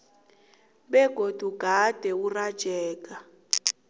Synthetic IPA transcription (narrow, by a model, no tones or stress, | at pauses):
ɓɛɡ̥ʱod̥ʱuɡ̥ʱad̥ʱɛurad̥ʒ̥ʱɛːk̬ʼa